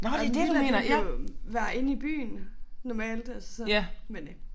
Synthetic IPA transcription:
nɒded̥eme̝ːnɐʋæɐe̝nib̥y̰ːnnɒmɛ̰ːld̥ælssɒmen

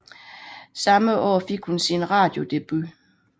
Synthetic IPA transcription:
sɑ̈məʔɒ̰ːfe̝ɡ̥hunsinʁɑ̰̈ːd̥jo̝d̥e̝b̥y

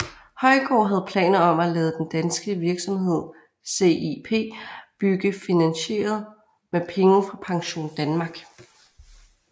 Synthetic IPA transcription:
hɒ̽ɪɡ̥ɒ̰ːɦæð̞̩ˠpʰlɛ̰ːnɐɒ̽mælɛːð̞ˠəd̥end̥ænsɡ̥əʋiɐɡ̥sɒ̽mɦe̝ð̞̰ˠ | se̝̰ipʰe̝̰ːb̥yɡ̥əfinænɕe̝̰ːɐð̞ˠ | mepʰeŋəfʁɑ̈pʰɑ̈ŋɕo̝̰ːnd̥ænmɑ̈ɡ̥

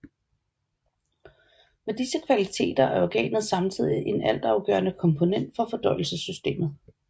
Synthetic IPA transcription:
med̥isəkʰʋælit͡sʰe̝̰ːd̥ɐʔæɐɒɡ̥ɛ̰ːnð̞̩ˠsɑ̈mt͡sʰið̰ˠiʔe̝næl̰d̥ɑ̈ʊɡ̥œ̰ːɐnəkʰɒ̽mpʰo̝nen̰d̥fɒ̽fɒ̽d̥ɒɪl̩səsːysd̥e̝̰ːmð̩ˠ

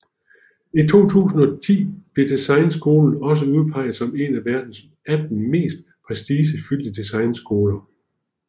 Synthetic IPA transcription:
it͡sʰo̝̰ːt͡sʰṵːsn̩ɒ̽t͡sʰḭːb̥le̝d̥isɑ̈ɪnsɡ̥o̝ːln̩ɒ̽s̬əuð̞ˠpʰɑ̈ɪ̰ð̩ˠsɒ̽me̝næʋæɐd̥n̩s | æd̥n̩me̝̰ːsd̥̚ | pʰʁɛsd̥iːs̬əfyl̰d̥əd̥isɑ̈ɪnsɡ̥o̝ːlɐ

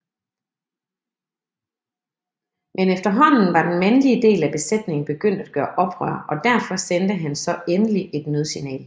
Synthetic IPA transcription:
mʔenefd̥ɐɦɒ̽n̰n̩ʋɑ̈d̥enmænəliəd̥e̝̰ːlæb̥e̝sed̥ne̝ŋn̩b̥e̝ɡ̥øn̰d̥æd̥̚ɡ̥ɶːɐʔɒ̽b̥ʁœ̰ːɐʔɒ̽d̥æɐfɒ̽send̥əɦænsɒ̽enəlie̝d̥møð̞ˠsinɛ̰ːl

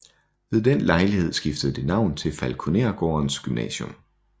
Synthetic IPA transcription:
ʋe̝ð̞ˠd̥en̰lɑ̈ɪlihe̝ð̞̰ˠsɡ̥ifd̥əð̞̩ˠd̥e̝nɑ̈ʊ̰nt͡sʰe̝lfælkʰo̝ne̝ːɐɡ̥ɒːɐnsɡ̥ymnɛ̰ɕɔm

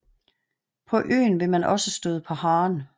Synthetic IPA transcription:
pʰɒ̽ʔø̰ːnʋe̝mænʔɒ̽səsd̥øðˠəpʰɒ̽hɑ̈ːn

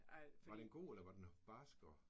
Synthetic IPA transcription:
ʋɑ̈d̥enɡ̥o̝̰ːelɐʋɑ̈d̥enb̥ɑsɡ̥ɒ

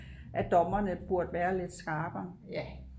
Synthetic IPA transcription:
ʔæd̥ɒ̽mɐnəb̥uɐd̥ʋæːɐle̝d̥sɡ̥ɑ̈ːb̥ɐ

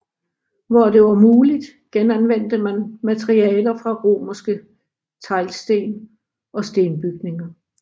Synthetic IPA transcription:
ʋɒd̥e̝ʋɑ̈muːlid̥ | ɡ̥enænʋen̰d̥əmænmæt͡sʰʁiɛ̰ːlɐfʁɑ̈ʁo̝̰ːmɐsɡ̥ə | t͡sʰɑ̈ɪlsd̥e̝̰ːn | ɒ̽sd̥e̝ːnb̥yɡ̥ne̝ŋɐ

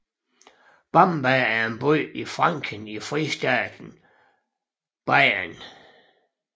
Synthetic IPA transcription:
b̥ɑmb̥ææɐe̝nb̥ɔːifʁɑ̈ŋ̰kʰənifʁisd̥ɛ̰ːd̥n̩ | b̥ɑɪan

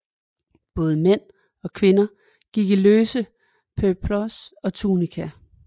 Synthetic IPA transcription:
b̥ɔ̽ːð̞̩ˠəmen̰ | ɒ̽kʰʋe̝nɐ | ɡ̥iɡ̥iløːsə | pʰøpʰlɔsɒ̽t͡sʰuːnikʰæ

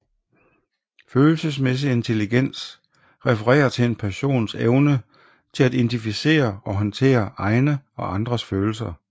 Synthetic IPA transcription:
føːl̩səsmes̬ie̝nt͡sʰe̝liɡ̥en̰s | ʁɛfəʁɛ̰ːɐt͡sʰe̝le̝npʰæɕo̝̰ːnseʊnə | t͡sʰe̝læd̥e̝nd̥ifise̝̰ːɐɒ̽ɦɒ̽nt͡sʰe̝̰ːɐʔɑ̈ɪnəɒ̽ʔɑ̈nd̥ʁɐsføːl̩s̬ɐ

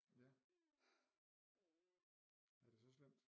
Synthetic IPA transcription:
jæ | æɐd̥e̝sɒ̽slem̰d̥

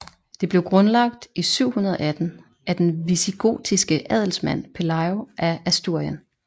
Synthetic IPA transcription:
d̥e̝b̥le̝ʊɡ̥ʁɔ̽nlɑ̈ɡ̥̚d̥isyʊ̰hunɐð̞ˠɒ̽æd̥n̩ | æd̥enʋisiɡ̥o̝̰ːd̥isɡ̥əʔɛð̰ˠl̩smæn̰pʰe̝lɑ̈ɪoʔææsd̥uɐ̰jən

